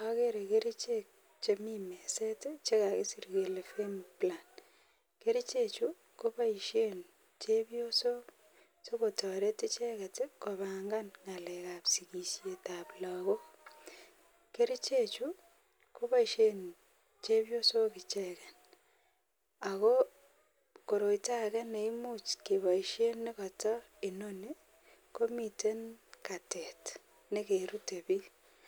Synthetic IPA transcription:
a˦ke˦ɾe˨ke˦ɾi˦t͡ʃek̚ | t͡ʃe˦mime˨se˦tet͡ʃe˦ka˨ke˦si˨rke˨le˨fe˦mpla˨n | ke˦ɾi˦t͡ʃe˦t͡ʃu˦ | ko˦pa˦i˨ʃe˦n | t͡ʃe˦bo˦so˦ | so˦ko˨tɔ˨ɾe˦te˦t͡ʃɛ˦ka˨te˦ko˨βa˨ŋɡa˦nŋa˨lɛ˨ka˨psi˨ki˨ʃje˨ta˨pla˨ɣo˦ | ke˦ɾi˦t͡ʃe˦t͡ʃu | ko˦ba˦iʃe˦n | t͡ʃe˦bjo˦so˦kɪ˨t͡ʃɛkɛ˨n | a˨ko˦ | ko˨ɾo˨ita˦kɛ˦ne˨imu˦t͡ʃke˨βa˨ʃe˦nːɪ˦kɔ˨tɔ˦ | ɪ˨no˦ni˦ | ko˦mite˦nka˨tɛ˨t | ne˦keɾu˦tebi˦l

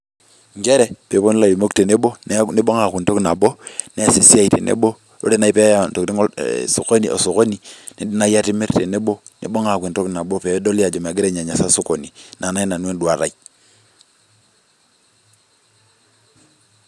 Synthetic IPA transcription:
ŋɡe˦ɾe˦pe˨˦po˦n˦la˨li˨mo˦kte˨ne˦bo˦nni˦bo˦ŋa˨ku˨nto˦kna˨bo˦ne˦a˨si˨si˦a˦˨i˨te˨nʔḛ˦bo˦ | ɾo̰˦ɾe˦na˦i˦pe˦ja˦˨n˨to˨kti˦ŋ̰˦so˨ko˦ni˨ʔo̰˨so˨ko˦ni˨ni˦di˦na˦ja˦ti˦me˦ɾte˨ne˦bo˦ | nḭ˨bo˦ŋa˨kʷi˨nto˦kna˨bo˦pe˨˦do˦li˦a˨d͡ʒo˨m˨a˨ɡi˦ɾe˦ɲa˨ɲa˨sa˦so˦ko˨ni˨na˨na˦i˦na˨nu˦e˦ndu˨a˨ɾa̰˨i

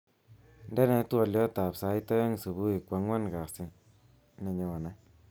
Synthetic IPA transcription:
nde˦ne˧˦t̪u˦a˧ljo˦t̪a˨psa˨˦jt̪a˦ja˦ŋ˨sɨ˨bu˦i˨kʷa˨ŋwa˦nɡa˨si˧ | na˧ɲa˧wa˨na˦

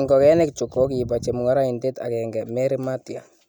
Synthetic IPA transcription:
ŋɡɔ˨kɛ˦nɛ˦kt͡ʃu˨kːo˦k̬i˨ba˨t͡ʃe˨mu˨ŋa˦ɾa˦i˨nde˦ta̰˨kɛŋɡɛmɛ˦ɾi˦ma˦tja˨

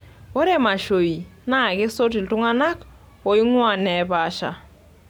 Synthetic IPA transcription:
wo˦ɾe˦˨ma˨ʃo˨i˨na˦˨ɡɪ˦so˦t̬i˨ltʊ˦ŋa˦na˦k | o˨i˦ŋwa˨nɛ˨˦pa˨˦ʃa̰˨

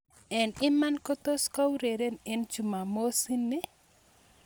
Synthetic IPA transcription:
ɛ˨nɪ˦ma˦nko˦t̪o˦ska˦wɾe˨ɾe˦ne˦nt͡ʃu˨ma˨mo˦si˦nːi˦

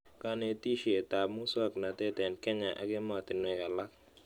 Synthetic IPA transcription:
ka˦ne˦ti˦ʃe˨ta˨mu˦sa˦˨kna˨tɛ˦tɛ˨nkɛ˦ɲa˨ʔa̰˨kɪ˦ma˨t̪ɪ˨nwe˨ka˨la˦k

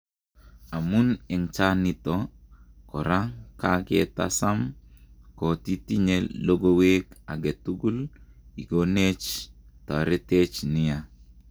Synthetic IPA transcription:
a˨mu˦nɛ˨ŋt͡ʃa˦ni˨tɔkɔ˨ɾa˦ka˦kḛ˨ta̰˦sa˦m | ko˨ti˦ti˦ɲelo˦ɡo˦we˦ka̰˨ɡe˨tu˦ɡu˦li˨ɡone˦t͡ʃta˨ɾe˦te˦t͡ʃnɪ˦ja˨

